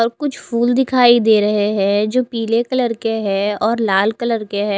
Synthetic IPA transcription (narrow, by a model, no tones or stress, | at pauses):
ɔːɾkʊt͡ʃʰpʰuːld̪ɪkʰaːid̪eːɾɐɦeɦɛ̃d͡ʒoːpiːlekɐləɾkeɦɛːɔːɾlaːlkɐləɾkeɦɛ